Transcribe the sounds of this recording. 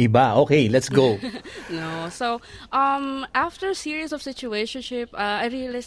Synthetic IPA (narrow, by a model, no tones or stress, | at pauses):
ʔɪbaʔoːkejlɛt̪sɡoʊnosoʔʌmʔaft̪əɹsiːɹisɔfsɪt͡ʃueʃɔ̃nʃɪpaajɹilɪs